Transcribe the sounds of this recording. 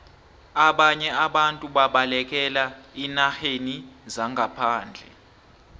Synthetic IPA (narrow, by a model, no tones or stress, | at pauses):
aɓaɲɛaɓantʼuɓaɓalɛk̬ʼɛlainaxenizaŋɡʱapʰaːnd͡ɮʱɛ̰